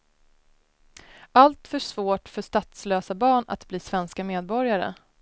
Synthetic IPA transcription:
alt̪fœʂvoːʈfœʂt̪at̪sløːsabɑːɳa̰t̪bliːsvɛnskameːd̪̚bɔɾjaɾə̰

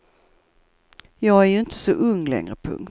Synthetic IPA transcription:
jɑːɡæɾjɵɪnt̪ʰə̥sɔʔɵŋːlɛ̰ŋɾəpʰɵ̰ŋkt̪

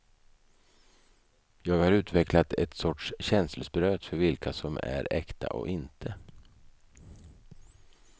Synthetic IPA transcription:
jɑːɡhaɾʉ̟ːt̪vɛklat̪ɛt̪sɔʈʂɕɛnslsbɾøːt̪fœɾvɪlkʰasɔmæ̰ɾɛkt̪ʰa̰ʔɔ̰ʔɪnt̪ʰə

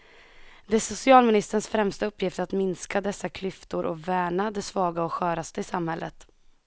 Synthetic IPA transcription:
d̪ɛsʊsɪɑːlmɪnɪst̪əɳsfɾɛmst̪aɵpʰːjɪft̪ɾat̪mɪnskad̪ɛsːakʰlʏft̪ʊɾʔɔ̰væːɳad̪ɛsvɑːɡaɔɧœːɾast̪əɪsamhɛlːʔət̪

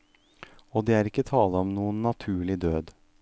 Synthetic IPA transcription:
oːd̪eːæːɾɪkːət̪ʰɑːləɔmnuːənːɑt̪ʰʉːɭɪd̪øːd̪

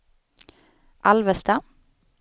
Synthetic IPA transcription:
ʔɑlʋəst̪ɑ

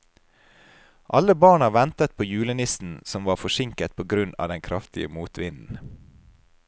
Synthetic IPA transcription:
ʔɑləbɑːɳɑːʋɛnt̪ət̪̚pʰoːjʉːlənɪsn̩sɔmʋɑːfɔʃɪŋkət̪̚pʰoːɡɾʉnɑ̰ːd̪ɛŋkʰɾɑft̪ɪə̰muːt̪ʋɪnn̩

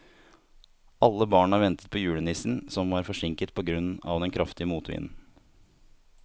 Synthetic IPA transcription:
ʔɑlːəbɑːɳɑʋɛnt̪ə̥t̪̚pʰɔːjʉːɽənɪsn̩sɔmʋɑːɾfɔʂɪŋkət̪̚pʰɔːɡɾʉnːɑ̰ʋd̪ɛnkʰɾʔɑft̪ɪəmuːt̪ʋɪ̰nn̩

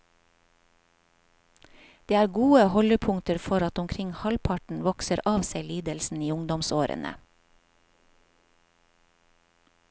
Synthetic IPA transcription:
d̪̥eːæːɾɡuːəhɔləpʰʊŋt̪əɾfɔɾɑt̪ʊmkʰɾɪŋhɑlpʰɑʈɳ̩ʋɔksəɾʔɑːʋseɪliːd̪əlsn̩iːʊŋd̪ɔmsoːɾə̰nə̰

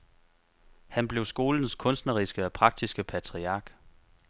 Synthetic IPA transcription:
hænb̥le̝ʊsɡ̥o̝ːln̩skʰɔ̽nsd̥nəʁisɡ̥əɒpʰʁɑ̈ɡ̥̚d̥isɡ̥əpʰæt͡sʰʁiɑ̈ɡ̥

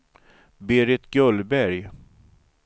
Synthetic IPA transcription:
beːɾɪt̪ɡœlbæɾj

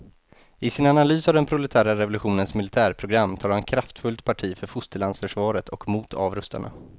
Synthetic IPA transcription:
ɪsɪnanalyːsavd̪ɛnpʰɾʊlɛt̪ʰæːɾaɾɛvʊlɵɧuːnənsmɪlɪt̪ʰæːɾpʰɾʊɡɾamːt̪ʰɑːɾhankʰɾaft̪fɵlt̪pʰaʈʰiːfœɾfʊst̪əɭansfœʂvɑːɾət̪ʰɔkmuːt̪ʰɑ̰ːvɾɵst̪a̰ɳa̰

